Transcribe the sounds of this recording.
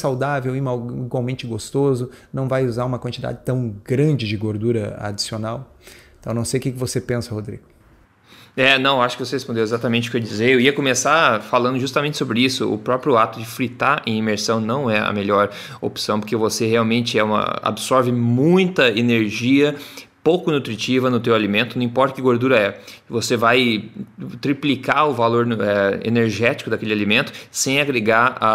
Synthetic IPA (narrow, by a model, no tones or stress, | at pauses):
sawd̪avewimaiɡwawmẽnt͡ʃɪɡost̪ozʊnɐ̃w̃vajuzaɾũmɐkwɐ̃nt͡ʃid̪a̰d͡ʒɪt̪ɐ̃w̃ɡɾɐ̃nd͡ʒɪd͡ʒɪɡoɾd̪uɾɐa̰d͡ʒi̥sionaw | t̪ɐ̃w̃nɐ̃w̃sejʊkɪkɪvosepẽsɐhod̪ɾḭɡ̥ʊ | ɛnɐ̃w̃aʃʊkɪvosehespõnd̪ewezat̪ɐmẽnt͡ʃɪʊkewd͡ʒizejewiɐkomesafalɐ̃nd̪ʊʒust̪aɐmẽnt͡ʃɪsobɾɪisʊʊ̰pɾɔpɾjʊat̪ʊd͡ʒɪfɾit̪aɾẽj̃ĩmeɾsɐ̃w̃nɐ̃w̃ɛɐ̰meʎɔɾ | o̰psɐ̃w̃poɾkevoseheawmẽnt͡ʃɪɛũmɐ̰a̰bɪsɔɾvɪmũj̃t̪ɐeneɾʒiɐ | powkʊnut̪ɾit͡ʃivɐnʊt̪ewalimẽnt̪ʊnɐ̃ĩpɔɾt̪ɐkɪɡoɾd̪uɾɐɛvosevaj | t̪ɾiplikaʊvaloɾɛḛneɾʒɛt͡ʃi̥kʊd̪ɐkelɪalimẽnt̪ʊ̥sẽj̃aɡɾeɡaɾa